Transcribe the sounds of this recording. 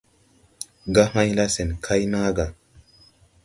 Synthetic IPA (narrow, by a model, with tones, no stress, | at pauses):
ɡa˦ma˦jla˦se˨nkʰa˦jna˦ɡa˨